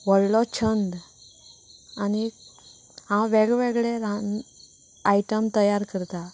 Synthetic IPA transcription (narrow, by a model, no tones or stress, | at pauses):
ʋəɽlɔt͡ɕʰənd̪ | ani | ɦãʋeɡʋeɡɭeɾan | aiʈəmt̪əjaɾkəɾt̪a